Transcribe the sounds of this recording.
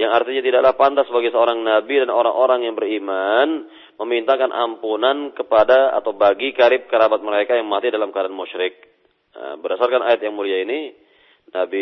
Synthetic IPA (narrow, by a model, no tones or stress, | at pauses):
jaŋart̪iɲat̪idaʔlahpant̪asbaɡɛsəoɾaŋnabidanoɾa̰ŋʔoɾaŋjaŋbəriman | məmint̪akanʔa̰mpunankəpadaa̰t̪awbaɡikaɾɪp̚kəɾabat̪̚məɾekajaŋmat̪idalamkadanmuʃɾɪk̚ | bərdasarkanajat̪̚jaŋmuliaini | nabi